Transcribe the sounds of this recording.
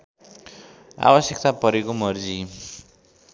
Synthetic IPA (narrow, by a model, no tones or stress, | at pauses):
a̰bʌsjʌkt̪apʌɾekomʌrd͡zi